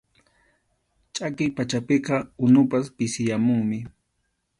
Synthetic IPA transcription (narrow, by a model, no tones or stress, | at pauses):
t͡ʃʼakɪjpat͡ʃapeqɑʊnʊpaspɪsɪjamʊŋmɪ